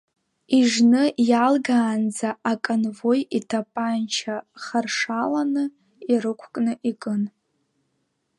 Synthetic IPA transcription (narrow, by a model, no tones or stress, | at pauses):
iʐnɨjalɡaːnd͡zaakʼanvojitʰapʼant͡ʃʰaχarʂalanɨ | irɨkʷʰkʼnɨʔikʼɨn